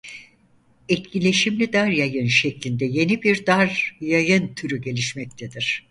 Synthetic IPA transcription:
ɛt̪cilʲe̞ʃimlʲid̪aɾjajɯnʃɛclʲind̪ɛje̞nibiɾd̪aɾjajɯnt̪ʰyɾyɟe̞lʲiʃmɛc̚t̪ʰɛd̪iɾ̥

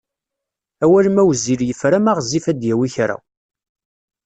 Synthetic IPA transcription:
æwælmæwziɾjəfɾæmaʁzifæd̪jæwiçɾa̰w

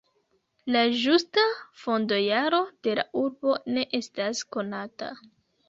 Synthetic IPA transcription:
lad͡ʒustafo̞ndo̞jaɾo̞d̥e̞la̰ʔuɾbo̞ne̞ʔe̞stasko̞nata̰

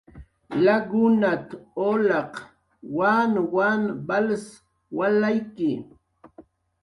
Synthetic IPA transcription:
laɡʊnat̪olɑq | wanwanbals | walajkɪ

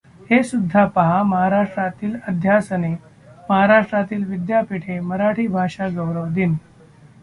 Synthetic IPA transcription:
hesud̪ʱːapəɦaməɦaɾaʂʈɾat̪iːləd̪ʱjasəne | məɦaɾaʂʈɾat̪iːlʋid̪japiʈʰeməɾaʈʰiːbʱaʂaɡəwɾəʋd̪iːn

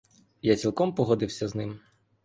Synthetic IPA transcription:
jat͡sʲilˠkɔmpɔɦɔd̪ɪwsʲɐznɪm

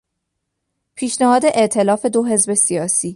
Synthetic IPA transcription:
pʰiːʃnæhɒːd̪e̞ʔe̞ʔt̪ʰe̞lɒːfe̞d̪o̞ɦe̞zbe̞sijɒːsiː

